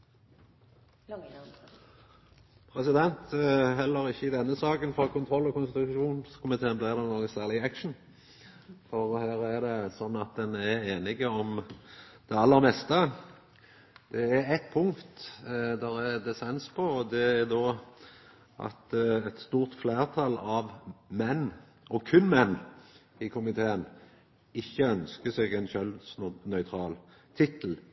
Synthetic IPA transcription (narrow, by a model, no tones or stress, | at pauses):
pʰɾɛsɪd̪ɛnt̪ɦɛlːəɾɪçːəɪd̪ɛnːəsɑːkənfɾɑːkʰʊnt̪ʰɾɔlːɔkʊnst̪ɪt̪ʊʂuːnskʰʊmɪt̪ʰeːnb̪læːd̪ɛnoːɡəsæːʁlɪækʃɳ̩n̩ | fɔɾɔhæːɾæd̪ɛsɔnːɑt̪̚d̪ɛnæɾeːnɪɡəɔm | d̪̥ɛɑlːəʁmɛst̪ə | d̪̥ɛæɾɛt̪̚pʰʊŋkt̪d̪æɾɛd̪ɛsɛnspʰɔɔd̪ɛæɾd̪oː | ʔɑ̰t̪ɛt̪st̪uːʁt̪fleːʁt̪ʰɑlɑʋmɛnː | ɔkʰʉnmɛnː | ɪkʰʊmɪt̪ʰeːən | ɪçːəœnskəsɛɡɛnʃœlsnœʏt̪ʰɾɑːl | t̪ʰɪt̪əl̩